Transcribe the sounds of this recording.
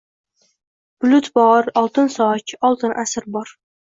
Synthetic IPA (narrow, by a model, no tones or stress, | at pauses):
b̥ʊlʊt̪bɒɾɒlˠt̪ɨnsɒt͡ʃɒlˠt̪ɨnʔasɪɾbɒɾ